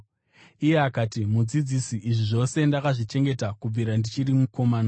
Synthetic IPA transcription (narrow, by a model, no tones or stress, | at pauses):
ije̞akaːtimud͡zid͡zisiʔːʐiʐo̞se̞ndakaʐit͡ʃe̞ŋɡe̞takub͡viɾandit͡ʃiɾimuko̞mana